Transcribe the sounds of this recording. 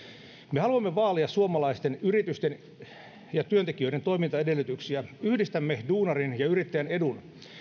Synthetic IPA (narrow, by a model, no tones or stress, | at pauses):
mehɑluɑmːeʋɑːliɑssuomɑlɑist̪enyrit̪yst̪en | jɑt̪yønt̪ek̟iø̞ide̞nt̪o̞imint̪ɑede̞lːˑyt̪yksiæyhdist̪æmːeduːnɑrinjɑyrit̪ːæjæne̞dun